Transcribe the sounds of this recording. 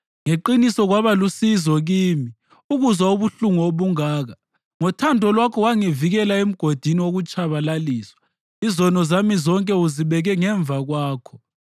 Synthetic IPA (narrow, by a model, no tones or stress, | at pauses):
ŋeǃinisɔɣwaβalusizɔɣiːmi | uɣuzwauβuɬuŋɔoβuŋaːɣa | ŋɔtʰandʱɔlwakʰɔwaŋiviɣɛlaem̩ɡ̥ʱod̥ʱiniwoɣut͡ʃʼaβalaliːswḁ | izɔnɔzamizɔŋkʼɛuziβɛɣɛŋɛɱb̪vʱaɣwaːkʰɔ̥